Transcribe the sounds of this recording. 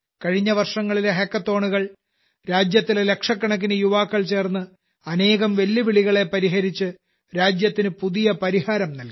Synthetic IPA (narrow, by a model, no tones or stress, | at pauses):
kɐɻiɲːɐʋɐrʂɐŋːɐɭileɦekːɐt̪ːo̞ːɳuɣɐɭ | ɾaːd͡ʑjɐt̪ːilele̞kʂɐkːɐɳɐk̬ːinɨjuʋaːkːɐɭt͡ɕe̞ːrnːɨ | ɐne̞ːɣɐmʋelːiʋiɭiɣɐɭe̞pɐɾiɦɐɾit͡ɕːɨ | ɾaːd͡ʑjɐt̪ːinɨpuðijɐpɐɾihaːɾɐmnɐlki